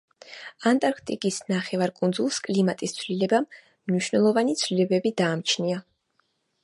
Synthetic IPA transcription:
ant̪ʼaɾkʰt̪ʼikʼisnaχɛvaɾkʼund̪zulˠskʼlimat̪ʼist̪sʰlilɛbamː | niʃwnɛlˠɔvanit̪sʰlilɛbɛbid̪aːmt͡ʃʰnia

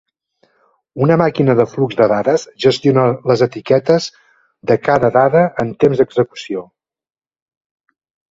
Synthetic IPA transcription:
unəmakinəðəflukzðəðaðəzʒəst̪ionələzət̪ikɛt̪əz | ðəkaðəðaðəːnt̪emzd̪əɡzəku̥sio

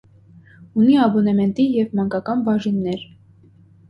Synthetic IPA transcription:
uniɑbɔnɛmɛnt̪ijɛvmɑŋkɑkɑnbɑʒinːɛɾ

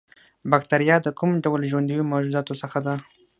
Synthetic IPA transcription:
bakt̪aɾijɑd̪əkumɖawəlʒwand̪ijomad͡ʒuzɑt̪osəxad̪a

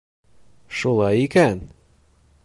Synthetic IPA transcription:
ʃulˠɑjikæn

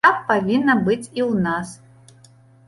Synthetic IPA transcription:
apːavʲinːɐbɨt͡sʲiwnas

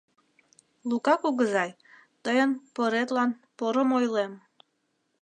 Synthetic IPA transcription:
lukɑkuɣəzɑj | t̪əjənpəɾet̪lɑnpoɾəmojlem

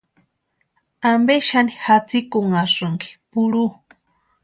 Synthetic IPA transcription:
ambeʃanixat͡sikuŋasuŋɡi̥puɾu

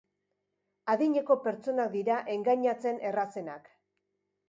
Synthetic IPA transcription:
aðiɲe̞ko̞pe̞ɾt͡so̞nak̚d̪iɾaʔe̞ŋɡaɲat͡se̞ne̞rase̞nak

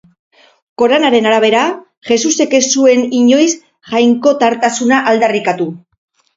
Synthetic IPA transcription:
ko̞ɾanaɾe̞naɾaβ̞e̞ɾa | ʝe̞suse̞ke̞sue̞niɲo̞js | ʝajŋko̞t̪aɾt̪asunaʔald̪arikat̪u

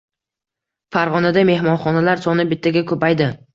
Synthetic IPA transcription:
faɾʁɒnad̪ame̞hmɒnχɒnalaɾsɒnɪbɪt̪ʰːaɡʲakʰɵpajd̪ɪ

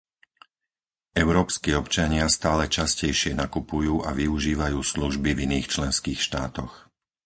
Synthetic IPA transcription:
ɛʊɾɔːpskiːɔpt͡ʃaɲɪast̪aːlɛt͡ʃascɛjʃɪɛnakupujuːʔaʋiuʒiːʋajuːsluʒbiviniːxt͡ʃlɛnskiːxʃt̪a̰ːt̪ɔx

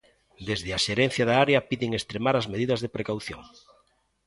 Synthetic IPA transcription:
d̪ezðɪaʃeɾen̟θjaðaaɾeɐpiðɪŋest̪ɾemaɾazmeðiðɐzðepɾekawθjo̰ŋ

